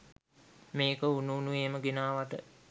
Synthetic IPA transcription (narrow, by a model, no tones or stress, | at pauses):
meːkəunuːnueːməɡenaːʋat̪ə